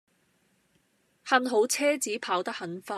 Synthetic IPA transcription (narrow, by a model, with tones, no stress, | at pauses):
hɐ˧nɦo˨˥wt͡sʰɛː˥t͡siː˨˥pʰaː˨˥wt̪ɐ˥hɐ˨˥nfaː˧